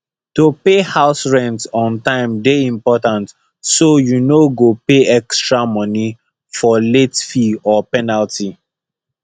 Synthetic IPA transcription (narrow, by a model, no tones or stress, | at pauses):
topehaʊsɹɛ̃ntsɔ̃ntãɪ̃mdeĩmpɔtãnt | sojunoɡopeɛkstɹamʌni | fɔletfiɔpɛnaltʰi